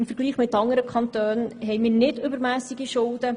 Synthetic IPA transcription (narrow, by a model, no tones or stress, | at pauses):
ɪmfəɾɡ̥liːχmɪtːɑŋəɾəkʰχɑnt̪øːnɦɛɪmiːɾnɪdʏbəɾmæːsiɡiʃʊld̥ə